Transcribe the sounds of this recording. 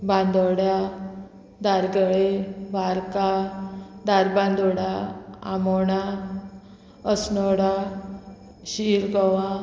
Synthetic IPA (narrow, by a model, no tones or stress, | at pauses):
bãnd̪ɔɽja | d̪aɾɡəɭebʱaɾka | d̪aɾbãnd̪ɔɽaa̰mɔɽa | əsnɔɽa | ɕiɾɡɔʋã